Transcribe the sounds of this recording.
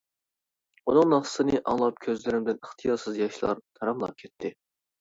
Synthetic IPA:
unɨŋnɑχsɨ̥sɨnɨʔɑ̰ŋlˠɑp̚kʲʰøzlɪɾɪmd̪ɪnəχt̪ʰɨjɑɾsɨzjɑʃlˠɑ̰ɾt̪ʰɑɾɑmlˠɑ̰p̚kʲʰɛt̪ʰːɪ

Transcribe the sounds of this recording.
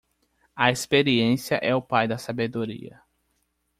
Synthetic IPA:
ɐespeɾiẽsiɐʔɛʊpajd̪ɐsabed̪oɾḭɐ̰

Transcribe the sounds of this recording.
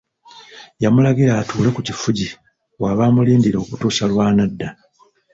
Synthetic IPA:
jamulaɡiɾaːtuːle̞kucifuɟi | waβaːmuliːndiɾo̞ːkutuːsalwaːnadːa

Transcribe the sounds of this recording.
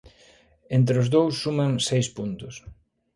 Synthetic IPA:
ent̪ɾeʊzðowsːumaŋsejspunt̪ʊs

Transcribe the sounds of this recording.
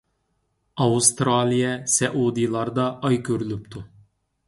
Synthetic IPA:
ɑust̪ɾɑlˠijɛsɛʔud̪ilˠɑɾd̪ɑʔːjkʲʰøɾylypt̪ʰu

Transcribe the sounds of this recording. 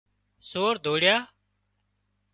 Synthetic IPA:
soːɾd̪ʱoːɽjaː

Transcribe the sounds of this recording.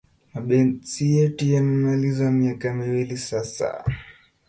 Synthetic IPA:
maɓɛnsijɛtujamɛmalizamiakamiwilisasa̰

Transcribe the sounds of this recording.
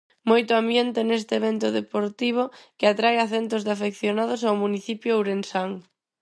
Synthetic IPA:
mojt̪ʊambjent̪enest̪eeβent̪ʊðepoɾt̪iβ̞ʊkɪat̪ɾajaθent̪ʊzðafekθjonaðʊs̬awmuniθipjʊawɾensaŋ

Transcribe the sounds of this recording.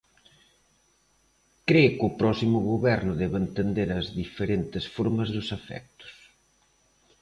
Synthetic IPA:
kɾekʊpɾɔsimʊɣoβɛɾnʊðɛβent̪end̪eɾɐzðifeɾent̪ɪsfoɾmɐzðʊsafɛ̰k̚t̪ʊ̥s

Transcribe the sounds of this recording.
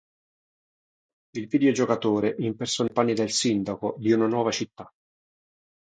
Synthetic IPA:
ilvid̪eod͡ʒokat̪oːɾeʔimpersɔnpanːid̪elsind̪akod̪iunanwɔːvat͡ʃit̪ːa

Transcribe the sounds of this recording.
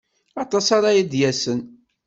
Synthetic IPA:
ɑt̪ˤɑsɑɾɑjid̪jæsən

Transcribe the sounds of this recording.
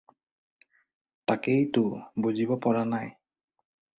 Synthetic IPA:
takejtʊbozibɔpɔɹanaj

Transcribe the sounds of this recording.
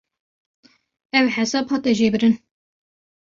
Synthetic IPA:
ɛwħɛsɑbhɑːt̪ɛʒeːbɨɾɨn

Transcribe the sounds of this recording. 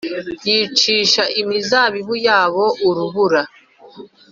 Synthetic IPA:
jiːt͡ʃiːʃaʔimizaːβiβujaːβo̞ʔuɾuβuɾa

